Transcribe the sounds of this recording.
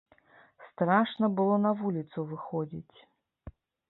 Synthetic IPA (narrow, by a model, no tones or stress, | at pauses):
st̪ɾaʂnɐbɨlˠɔnɐvulʲit̪suvɨxɔd͡zʲḭt͡sʲ